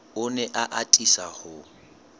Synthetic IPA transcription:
ʊnɛʔaʔatʼisahʊ

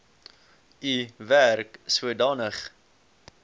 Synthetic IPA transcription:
iværksuədɑːnəχ

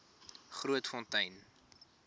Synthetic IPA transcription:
χruətfɔntɐjn

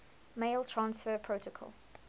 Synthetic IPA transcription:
meɪlˠtʰɹ̥ãnsfəːpʰɹotəkʰɔ̰lˠ

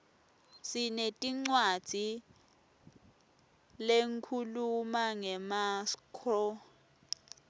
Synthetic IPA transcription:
sinetʼiŋ͡ǀwad̥ʱi | leŋkʰulumaŋɛmaskʰɔ

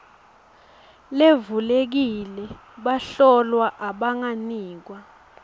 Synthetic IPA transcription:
levulek̬ilɛ | ɓaɬɔlwaʔaɓaŋaniːk̬wa

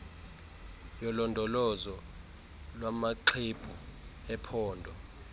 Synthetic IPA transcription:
jɔlɔndʱɔlɔzɔ | lwamaǃʰeb̥ʱuɛpʰɔːndʱɔ

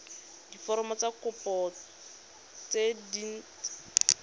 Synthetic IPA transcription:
difɔɾɔmɔt͡sakʰʊpɔ | t͡sedin̩

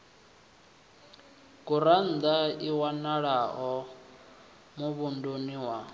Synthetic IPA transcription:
ɡ̥uɾan̩d̪aiwanaɺaɦɔ | muβundoniwa

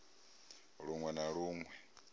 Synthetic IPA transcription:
ɺuŋwɛnaɺuːŋwɛ

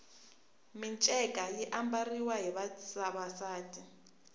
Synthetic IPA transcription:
mint͡ʃʼɛkʼajɛʔambariwaɦɛβasaβasaːtʰʼi

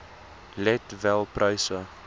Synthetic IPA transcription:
lɛtvɛlˠprajsə

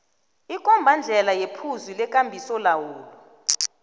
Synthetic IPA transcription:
ikʼɔmbʱand͡ɮʱɛlajepʰuzilɛkʼambʱisɔlawuːlɔ

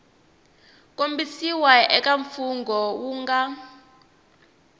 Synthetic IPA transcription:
kʼombisiwaʔɛkʼaɱfuŋɡʱɔwuːŋɡa

